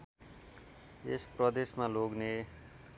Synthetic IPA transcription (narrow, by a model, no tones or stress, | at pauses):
esprʌd̪esmaloɡne